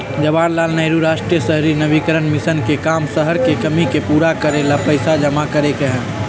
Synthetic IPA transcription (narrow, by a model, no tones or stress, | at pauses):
d͡ʒəbaːnlaːlnəɪɾuɾaːʃʈɾijəsəɦɾinəbikəɾənmɪsənkekaːmsəɦəɾkekəmikepuːɾakəɾelapəɪsad͡ʒəmakəɾekeɦɛ̃ː